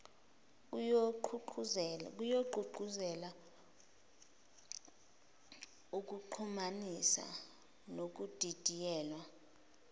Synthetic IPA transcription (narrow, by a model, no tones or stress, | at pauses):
k̬ujoǃʱuǃuzɛla | uk̬uǃʰumanisa̰ | nok̬ud̥ʱid̥ʱijɛːlwa